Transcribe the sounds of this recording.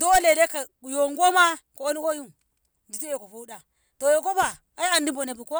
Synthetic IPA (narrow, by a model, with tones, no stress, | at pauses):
do˦le˨de˦ka˨ | u˨jo˨ŋɡo˦ma˦ko˨o˦ni˦ko˦ju˦n | di˨ti˦je˨ko˨fu˦da˨ | to˨jo˨ko˦ba˨ | a˦ja˨ndi˦bo˨ne˨bu˨ko˦